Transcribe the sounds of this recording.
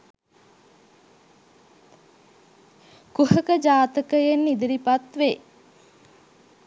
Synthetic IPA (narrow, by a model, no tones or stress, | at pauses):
kuhəkəd͡ʒaːt̪əkəjenːid̪əɾipat̪ʋeː